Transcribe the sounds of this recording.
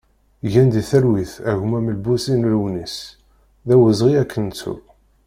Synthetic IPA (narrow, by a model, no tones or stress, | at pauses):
ʝænd̪iθæɾwiθæʝmæməlbusinlwnis | ðæwəzʁiækːənt͡sṵ